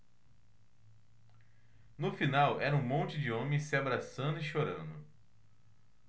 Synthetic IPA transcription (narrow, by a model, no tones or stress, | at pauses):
nʊfinawɛɾɐũmõnt͡ʃɪd͡ʒɪõmẽj̃sɪabɾasɐ̃nd̪ʊiʃoɾɐ̰̃nd̪ʊ